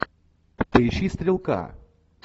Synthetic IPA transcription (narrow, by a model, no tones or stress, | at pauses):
t̪ɨʃist̪ʲɾʲɪlˠka̰